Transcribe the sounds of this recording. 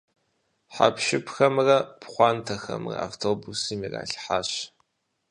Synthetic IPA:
ħa̰pʃɪpxɐmrɐpʰχʷɑːntʰɐxɐ̰mrɐ̰awtʰoːbusɨmira̰ːɬħaːɕ

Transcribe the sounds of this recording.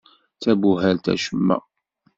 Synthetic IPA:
t͡sæbuɦælt̪æ̰ʃəmːæ̰

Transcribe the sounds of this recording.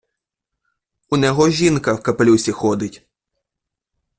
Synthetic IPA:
unʲɛɦɔʒʲinkɐwkɐplʲusʲixɔd̪ɪtʲ

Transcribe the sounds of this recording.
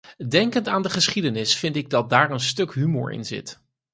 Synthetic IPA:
dɛŋkəntaːndəχəsχidənɪsfɪntɪɡ̚dɑt̚daːɹənstɵkɦymʊ̰ːɹɪ̰nzɪ̰t

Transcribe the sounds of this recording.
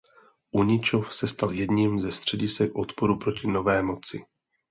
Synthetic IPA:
ʔuɲɪt͡ʃo̞fsɛst̪aljɛdɲimzɛst̪r̝̥ɛɟɪsɛkʔo̞t̪po̞ɾupɾo̞cɪno̞vɛːmo̞t͡sɪ

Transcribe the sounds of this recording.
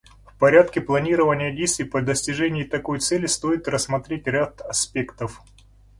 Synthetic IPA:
fpɐɾʲat̪kʲɪplˠɐnʲiɾəvənʲɪjədʲejst̪vʲijpəd̪əsʲtʲɪʐɛnʲɪjɪt̪ɐko̞jt̪sɛlʲɪst̪o̞jɪt̪rəsmɐt̪ɾʲetʲɾʲat̪ɐspʲe̞kt̪əf

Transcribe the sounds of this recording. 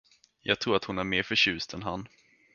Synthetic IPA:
jɑːɡt̪ʰɾuːɾat̪hʊnæɾmeːɾfœɕʉ̟ːst̪ʰɛnɦan

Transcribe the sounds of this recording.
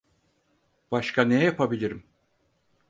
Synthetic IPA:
b̥aʃkʰanɛjapʰabilʲiɾim

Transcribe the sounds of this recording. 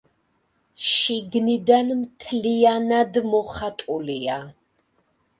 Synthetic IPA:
ʃiɡnid̪anmt̪ʰlianad̪mɔχat̪ʼulia

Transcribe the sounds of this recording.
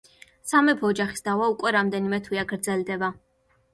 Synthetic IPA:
samɛpʰɔːd͡ʒaχi̥sd̪avaukʼwɛɾamd̪ɛnimɛt̪ʰwiaɡɾd̪zɛld̪ɛba

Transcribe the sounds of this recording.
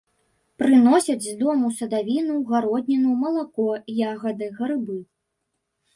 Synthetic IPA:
pɾɨnɔsʲɐd͡zʲzd̪ɔmusɐd̪avʲinuɣaɾɔd̪ʲnʲɐnumɐlˠakɔjaɣɐd̪ɨɣɐɾɨbɨ

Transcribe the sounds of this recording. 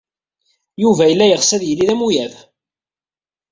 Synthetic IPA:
juvæjəlːæjəʁsæðjəlːiðæmujæð

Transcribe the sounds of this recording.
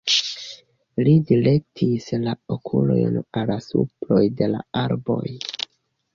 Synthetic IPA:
lidile̞k̚tʰislaokʰulo̞̰jnalasuplo̞jde̞la̰aɾbo̞j

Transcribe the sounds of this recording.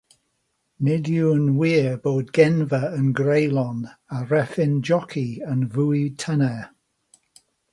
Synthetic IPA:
nɪdjuənwiːəboːd̚ɡɛnvəənɡɹejlˠɔnaɹɛfɪnd͡ʒɔkʰiənvuːjtʰənɛ

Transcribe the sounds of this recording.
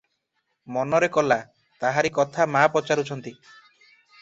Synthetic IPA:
mɔnɔɾekɔla | t̪aɦaɾikɔt̪ʰamapɔt͡ʃaɾut͡ʃʰɔnt̪i

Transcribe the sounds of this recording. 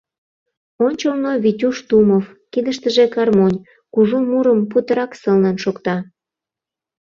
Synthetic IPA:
onʲt͡ɕolnoβitʲuʃt̪umov | kid̪əʃt̪əʒekɑrmonʲ | kuʒumuɾəmput̪əɾɑksəlnɑnʃokt̪ɑ

